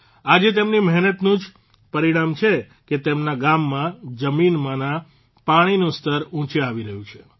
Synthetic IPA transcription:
ad͡ʒet̪emnimɛɦnət̪nũd͡ʒ | pəɾiɽ̃amt͡ʃʰe | ket̪emnaɡamːãd͡ʒəminmãnã | paɽ̃inũst̪əɾũt͡ʃeaʋiɾəɦũt͡ʃʰe̥

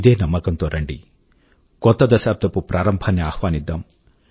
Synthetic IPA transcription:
id̪eːnɐmːɐkɐnt̪oɾɐɳɖḭ | kɔt̪ːɐd̪ɐsaːb̚d̪ɐpupɾaːɾɐmbʱaːnːeaːhʋaːnid̪ːam

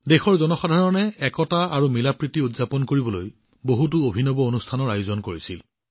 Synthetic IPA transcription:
dexɔɹzɔnɔxadʱaɹɔnɛɛkɔtaaɹumilapɹitiudzapɔnkoɹibɔloj | boɦutuobʱinɔbɔonustʰanɔɹajuzɔnkoɹisil

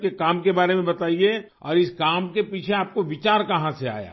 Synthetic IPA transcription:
kekaːmkebaːɾemẽbɐt̪aːie | ɔ̰ːɾɪskaːmkepiːt͡ʃʰeaːp̚koʋɪt͡ʃaːɾkɐɦãsea̰ːja̰ː

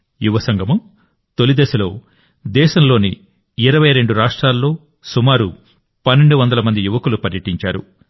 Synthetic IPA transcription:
juʋɐsɐŋɡʱɐmu | t̪olid̪ɛːsɐlo̞ː | d̪ɛːʃɐmlo̞ːniː | ɾɐʋɐjɾe̞ɳɖuɾaːʂʈɾaːlːo̞ː | sumaːɾu | pɐnːe̞ɳɖuʋɐnd̪ɐlɐmɐnd̪ijuʋɐkulupɐɾjɐʈiɲt͡ʃa̰ːɾṵ

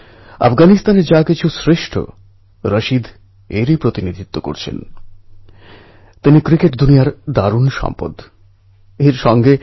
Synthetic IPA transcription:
a̰fɡanist̪aneɾd͡ʑakit͡ɕʰusɾeʃʈʰo̰ | ɾəʃid̪ | eɾipɾot̪inid̪ʱit̪ːoko̰ɾt͡ɕʰḛn | t̪inikɾikeʈd̪unijaɾd̪aɾunʃɔ̰mpo̰d̪ | eɾʃɔŋɡʱe

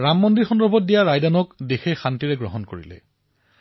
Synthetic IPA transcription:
ɹamːɔndiɹxɔndɔɹbʱɔt̚dijaɹajdanɔkdexexantiɹɛɡɹɔ̰ɦɔnko̰ɹḭlɛ̰

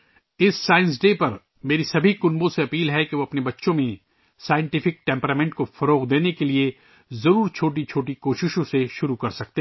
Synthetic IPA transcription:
ɪsːaːɪ̃ns̬ɖeːpɐɾ | meːɾisɐbʱikʊnbõseɐpiːlɦɛkeʋoːɐpnebɐtːʃõmẽ | saːɪjɪ̃ɳʈɪfɪk̚ʈɛ̃ːmpɾaːmẽːɳʈkofɐɾoːɣd̪eːnekelie | zɐɾuːɾt͡ʃʰoːʈ̬it͡ʃʰoːʈikoːʃɪʃõseʃʊɾukɐɾsɐk̚t̪eː

